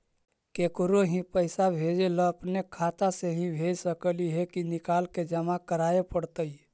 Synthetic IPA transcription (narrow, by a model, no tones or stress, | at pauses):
keːkɾoɦĩpəɪsabʱeːd͡ʒeloəpnekʰaːt̪aseɦĩbʱeːd͡ʒsəkliɦɛkinɪkaːlked͡ʒəmakəɾaːepəɽt̪əi